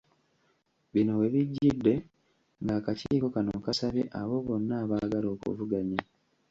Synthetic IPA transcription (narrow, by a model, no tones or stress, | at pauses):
βino̞we̞βiɟːidːe̞ | ŋɡakaciːko̞kanokasaβjḛʔaβo̞βo̞nːaːβaɡalo̞ːkṵvuɡaɲa